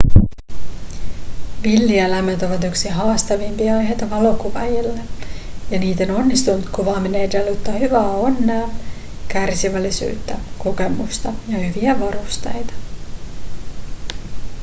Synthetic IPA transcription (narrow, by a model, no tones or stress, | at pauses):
ʋilːielæmet̪o̞ʋɑt̪yksiɦɑːst̪ɑʋimpiɑɑjɦe̞jt̪ɑʋɑlo̞kuʋæjilːejɑniːt̪o̞no̞nːist̪unut̪kuʋɑːminejdæljot̪ːɑhyʋæːo̞nːæː | kærsiʋælːisy̰ːt̪ːæko̞ke̞must̪ɑjɑhyʋiæʋɑɾust̪ejt̪ɑ̥